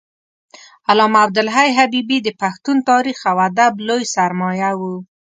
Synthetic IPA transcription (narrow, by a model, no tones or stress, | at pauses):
alɑmab̚d̪ʊlɦajɦabibid̪əpaxt̪unt̪ɑɾixawad̪ablojsaɾmɑjawu